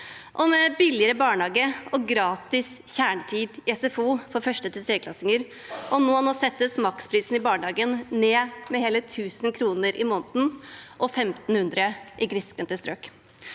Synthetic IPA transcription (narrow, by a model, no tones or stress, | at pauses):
ʔɔmɛbɪlɪəɾəbɑːɳəɑːɡəɔɡɾɑːt̪ɪs | çæːɳət̪ʰiːd̪ɛsɛfuːfɔɾfœʂʈət̪ɪt̪ɾeːkʰlɑsɪŋəɾ | ʔɔnoːɑnɔsɛt̪ːəsmɑkspʰɾiːsn̩ɪbɑːɳɑːɡənneːmɛheːlət̪ʰʉːsn̩kʰɾuːnəɾʔɪmoːnt̪n̩ʔɔfɛmt̪n̩hʉnd̪ɾəʔɪɡɾɪskɾənt̪əst̪ɾøːk